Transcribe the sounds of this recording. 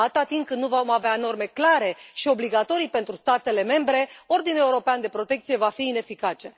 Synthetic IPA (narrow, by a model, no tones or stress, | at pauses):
at̪at̪iŋkɨnnuvo̞maveano̞rme̞klaɾe̞ʃio̞bliɡat̪o̞ɾijpe̞nt̪ɾust̪at̪e̞le̞me̞mbɾe̞o̞rd̪ine̞uɾo̞peand̪e̞pɾo̞t̪e̞kt̪sije̞vafiːne̞fikat͡ʃe